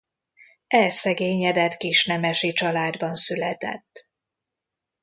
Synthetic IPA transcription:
ɛlsɛɡeːɲɛd̪ɛt̪kiʃnɛmɛʃit͡ʃɒlaːd̪bɒnsylɛt̪ɛ̰t̪ː

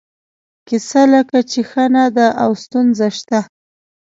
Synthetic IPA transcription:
kɪsaləkat͡ʃexanad̪aʔawst̪unzaʃt̪a

